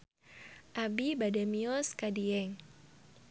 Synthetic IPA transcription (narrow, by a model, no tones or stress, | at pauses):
ʔabibadamiɔskadiɛŋ